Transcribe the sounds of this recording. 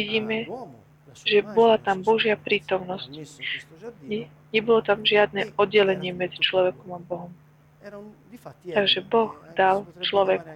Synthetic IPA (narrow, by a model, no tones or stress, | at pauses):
iɟiːmɛ | ʒɛbɔlat̪ambɔʒɪapɾiːt̪ɔmnɔsc | ɛ | ɲɛbɔlɔt̪amʒɪad̪̚nɛɔd̪ɟɛlɛɲɪɛmɛd͡zit͡ʃlɔʋɛkɔmabɔɦɔm | t̪aɡʒɛbɔɣd̪alt͡ʃlɔʋɛk